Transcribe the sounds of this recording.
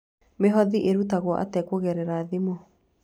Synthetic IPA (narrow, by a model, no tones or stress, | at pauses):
meɦɔðiʔeɾutaɣwɔʔa̰tɛkoɣɛɾɛɾaðimo